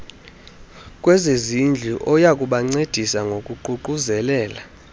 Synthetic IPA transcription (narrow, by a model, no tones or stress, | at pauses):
kʼwɛzezind͡ɮʱiʔɔjakʼuɓaŋ͡ǀed̥ʱisaŋɡʱokʼuǃuǃuzɛlɛːla